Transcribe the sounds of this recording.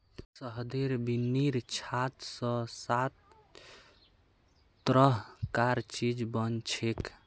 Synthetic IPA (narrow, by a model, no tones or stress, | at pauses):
səɦd̪eɾbinːiɾt͡ʃʰat̪sə̃sat̪ | ɾəɦkaɾt͡ʃid͡ʒbənt͡ʃʰek